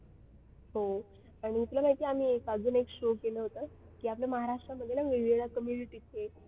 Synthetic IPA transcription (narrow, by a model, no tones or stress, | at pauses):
ɦo | aɽ̃iːt̪ulam̤aɦit̪eːam̤iːkad͡zuːnekɕokeləɦot̪ə | kiːapljaməɦaɾaʂʈɾaməd̪ʱjelaʋeʋiɭakəmjuniʈiːt̪e